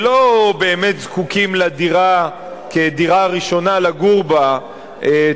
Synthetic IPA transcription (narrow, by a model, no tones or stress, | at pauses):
lobe̞ːmet̪zkukimladiʁa | kediʁaʁiʃo̞nalaɡuʁba | e